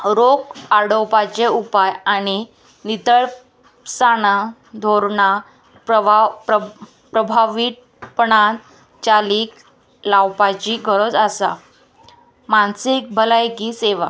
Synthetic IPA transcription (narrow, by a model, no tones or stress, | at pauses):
ɾokaɽowpat͡ɕeupajaɽ̃i | nit̪əɭ | saɽ̃a | d̪ʱoɾɳa | pap | pɾəbʱaʋiːʈ̪̚ | pəɳan | t͡ɕaliːk | lawpat͡ɕiɡʱəɾod͡zasa̰ | mansik̚bʱəlajkiseʋa̰